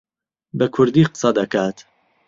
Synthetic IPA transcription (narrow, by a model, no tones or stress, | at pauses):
bɐkʰʊɾd̪iːqɨ̥sɑd̪ɐkaːt̪